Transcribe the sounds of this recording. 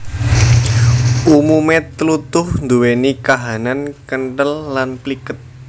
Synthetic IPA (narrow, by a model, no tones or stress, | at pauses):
ʔumumet̪əlut̪ʊhnd̪uwenikaɦanankənʈəlːanplikət̪̚